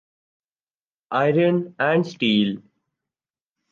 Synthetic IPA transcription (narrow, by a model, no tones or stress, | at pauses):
ʔaɪɾə̃nɛ̃ɳɖsʈiːl